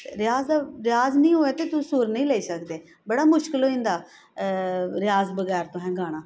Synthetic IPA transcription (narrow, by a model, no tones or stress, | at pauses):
t̪eɾɪjaːzd̪aːɾɪjaːznəĩːɦoːeːt̪eːt̪ʊsuːɾnəĩːlɛːiːsəkd̪eː | bəɽaːmʊʃkɪlɦoːĩːnd̪aː | ɾɪjaːzbəɡɛːɾt̪õːɦɛ̃ːɡaːɽ̃aː